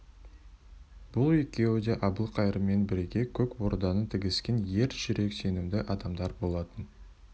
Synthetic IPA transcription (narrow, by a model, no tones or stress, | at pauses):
b̥ʊlˠe̞kʲe̞wɪd̪e̞ʔɑbəlˠqʰɑjɾəme̞nbɪɾɡʲe̞kʲʰɵkwo̞ɾd̪ɑnət̪ʰɪɡʲɪskʲenje̞ɾʒɪɾe̞kse̞nɪmd̪ɪʔɑd̪ɑmd̪ɑɾbo̞lˠɑt̪ən